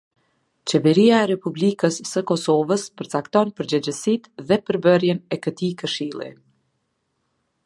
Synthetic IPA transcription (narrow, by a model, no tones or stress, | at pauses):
t͡ɕɛvɛɾiaɛɾɛpublikəsːəkɔsɔvəspəɾt͡sakt̪ɔnpəɾd͡ʑəd͡ʑəsit̪ðɛpəɾbərjɛnɛkət̪ikəʃilˠḭ